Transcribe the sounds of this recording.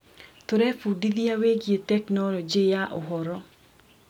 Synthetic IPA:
t̪oɾɛfudiðijaweɡjet̪ɛknɔɾɔd͡ʒejaʔɔɦɔɾɔ

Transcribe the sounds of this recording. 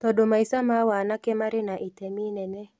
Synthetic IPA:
t̪ɔdomaisamawanakɛmaɾɪnaʔitɛminɛnɛ

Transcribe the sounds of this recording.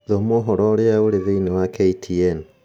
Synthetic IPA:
ðomɔɦɔɾɔɾeaoɾeðeinɛwakeitʰiɛn

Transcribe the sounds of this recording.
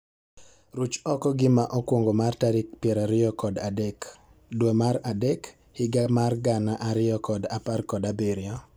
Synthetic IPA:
ɾut͡ʃɔkɔɡɪmaʔɔkwoŋɡomartaɾik̚pjɛɾaɾɪɔkɔdadɛk | dwomaɾadɛk | hɪɡamarɡanaʔaɾɪɔkɔdaparkɔdabeɾɪɔ

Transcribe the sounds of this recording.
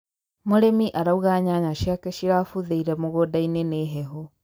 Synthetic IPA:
moɾemiʔaɾauɣaːɲaɲaʃiakɛʃiɾaːfuðeiɾɛmoɣodaineneɦɛɦɔ

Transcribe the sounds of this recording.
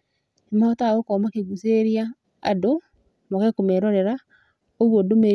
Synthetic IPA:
emaɔtaokɔmakeɡuseɾia | a̰do | moɣɛkomeɾɔɾɛɾa | oɣwodome

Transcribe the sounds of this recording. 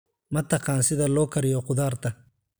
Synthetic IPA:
mɐt̪ʰɐqɑːnsɪðɐlɔːkʰɐɾɪjɔqʊðaːrt̪ʰɐ

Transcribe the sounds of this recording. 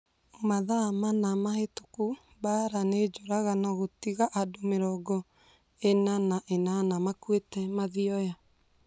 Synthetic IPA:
omaðamanamaheto̥ku | baɾaned͡ʒoɾaɣanaɣotiɣaʔadomeɾɔːɡɔ | enanaʔenanamakwetɛmaðiɔja

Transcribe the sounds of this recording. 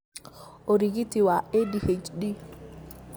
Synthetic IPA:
oɾiɡitiwaedihet͡ʃdi

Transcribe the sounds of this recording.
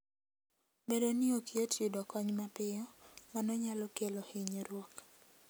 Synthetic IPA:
bedonɪokietudɔkɔɲmapɪɔmanɔɲalɔkelohɪɲeɾwɔk

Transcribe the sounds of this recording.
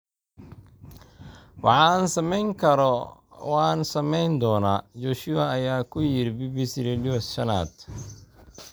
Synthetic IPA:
wɑħɑːnsɐmɛjŋkʰɐɾɔwɑːnsɐmɛjnd̪ɔːnaːt͡ʃɔːʃʊɐɐjaːkʰʊjɪɾbiːbisɾɛlɔsʃɐna̰ːd̪

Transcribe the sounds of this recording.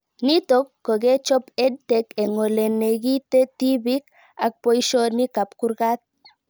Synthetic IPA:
nit̪okːoɡet͡ʃɔped̚t̪ekeŋoleneɡit̪et̪ibik | ak̚pojʃonikapkuɾɡat̪̚

